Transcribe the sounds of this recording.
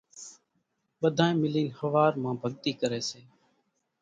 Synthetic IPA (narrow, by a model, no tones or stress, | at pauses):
ɓəd̪ʱãːẽːmɪliːnhəʋaːɾmãːbʱəɠt̪iːkəɾeːseː